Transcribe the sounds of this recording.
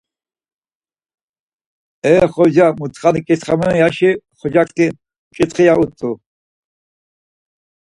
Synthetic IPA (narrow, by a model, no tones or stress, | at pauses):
ɛːχɔzamut̪χanikʼit̪χamɛnjaʃiχɔd͡ʒakʰt̪ʰi | t͡ʃʼit̪χijaʔut̪ʼu